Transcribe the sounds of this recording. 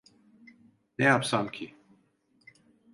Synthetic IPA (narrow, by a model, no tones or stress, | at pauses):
neapsamkʰi